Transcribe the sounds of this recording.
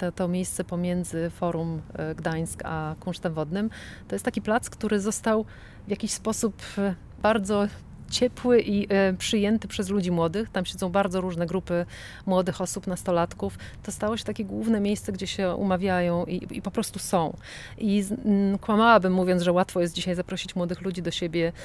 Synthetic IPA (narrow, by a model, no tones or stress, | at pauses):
t̪ɔt̪ɔmʲjejst̪sɛpɔmʲjɛnd̪zɘfɔɾumɡd̪aj̃skakuʂt̪ɛmvɔd̪nɘmt̪ɔjɛst̪akʲiplat̪skt̪uɾɘzɔst̪aw | vʲjakʲiɕspɔsup | b̥aɾd̪zɔ | t͡ɕɛpwɘʔipʂɘjɛnt̪ɘpʂɛzlud͡ʑimwɔd̪ɘxt̪amɕɛdzɔ̃w̃baɾdzɔɾuʐnɛɡɾupɘ | mwɔd̪ɘxɔsupnast̪ɔlat̪kuf | t̪ɔst̪awɔɕɛ̥t̪akʲɛɡwuvnɛmʲjejst̪sɛɡd͡ʑɛɕɛṵmavʲjajɔ̃w̃ʔḭḭpɔpɾɔst̪usɔ̃w̃ | ʔikwamawabɘmːuvʲjɔnʐɛwat̪fɔjɛst̪d͡ʑiɕajzapɾɔɕit͡ɕmwɔd̪ɘxlud͡ʑid̪ɔɕebʲjɛ